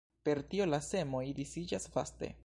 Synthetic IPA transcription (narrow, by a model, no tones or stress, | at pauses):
pe̞ɾtio̞lase̞mo̞idisid͡ʒasfa̰ste̞̰